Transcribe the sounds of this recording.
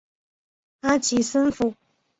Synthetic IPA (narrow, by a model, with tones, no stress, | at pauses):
a˦t͡ɕʰi˨˦sə˥nfu˨